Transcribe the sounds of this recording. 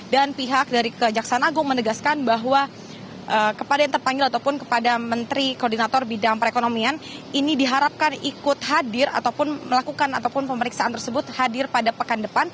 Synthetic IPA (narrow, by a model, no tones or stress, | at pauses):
danpiɦak̚daɾikəd͡ʒaksaanaɡʊŋmənəɡaskanbaɦwa | ʔəkəpadajaŋt̪ərpaŋɡɪlat̪awpʊnkə̥padamənt̪ɾikordinat̪ɔrbidaŋpəɾekonomianinidiɦaɾap̚kanikʊt̪̚hɦadɪra̰t̪awpʊnməlakukanat̪awpʊnpəməɾiksaʔant̪ərsəbʊt̪hadɪrpadapəkandəpan